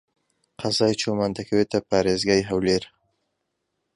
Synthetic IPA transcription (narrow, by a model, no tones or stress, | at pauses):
qʰazɑjt͡ʃomand̪akʰawet̪apɑːɾezɡɑjɦawleɾ